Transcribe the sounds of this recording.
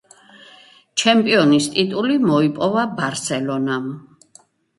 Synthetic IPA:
t͡ʃʰɛmpʼiɔnist̪ʼit̪ʼulimɔipʼɔvabaɾsɛlɔnam

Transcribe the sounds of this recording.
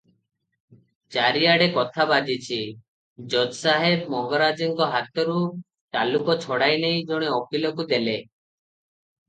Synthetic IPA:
t͡ʃaɾiaɽekɔt̪ʰabad͡ʒit͡ʃʰi | d͡ʒɔd̪saɦebmɔŋɡɔɾad͡ʒiŋkɔɦat̪ɔɾu | ʈalukɔt͡ʃʰɔɽajnejd͡ʒɔɽ̃iɔkʰilɔkud̪ele

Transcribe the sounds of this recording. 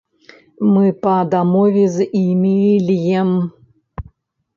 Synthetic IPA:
mɨpɐd̪amɔvʲezimʲilʲjɛm

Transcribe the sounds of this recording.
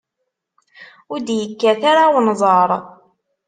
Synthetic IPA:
ʊd̪jəkːæθaɾawnzˤɑɾˤ

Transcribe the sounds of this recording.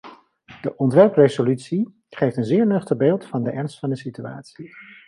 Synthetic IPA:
d̥əʔɔntʋɛɹprezolytsi | χejftənzɪːɹnɵχtəχbeːlˠtfɑndəʔɛɹnstfɑndəsitya̰ːtsi

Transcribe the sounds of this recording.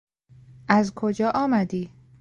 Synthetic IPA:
ʔæzkʰod͡ʒɒːʔɒːmæd̪iː

